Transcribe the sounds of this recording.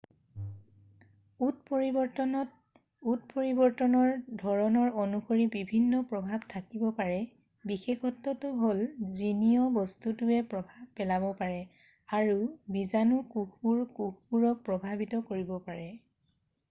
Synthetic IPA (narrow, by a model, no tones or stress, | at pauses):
utpi | ut̚poɹibɔɹtɔnɔɹdʱɔɹɔnɔɹonuxoɹibibʱinːɔpɹɔbʱabtʰakibɔpaɹɛ | bixexɔtːɔtʊɦolzinijɔbɔstutuɛpɔbʱapɛlaβɔpaɹɛ | aɹubizanukukʰuɹkukʰpuɹɔpɹɔbʱabitɔkoɹibɔpaɹɛ